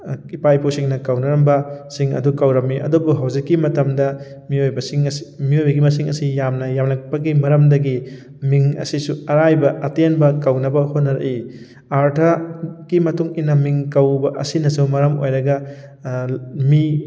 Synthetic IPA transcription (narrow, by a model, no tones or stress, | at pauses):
ipajpʰosiŋnɐkɐwnɐɾɐmbɐsiŋɐ̰dukɐwɾɐmiʔɐ̰dubuɦɐwzikːimɐtɐmdɐ | miojbɐsiŋsmiojbɐɡimɐsiŋɐ̰sijamnɐjamlɐk̚pɐɡimɐɾɐmdɐɡi | miŋɐ̰sisuɐɾajbɐʔɐtenbɐkɐwnɐbɐhot̚nɐɾɐ̰ʔi | aɾtʰɐɡimɐtuŋinɐmiŋkɐwbɐʔɐ̰sinɐsumɐɾɐmo̰jɾɐɡɐ | mi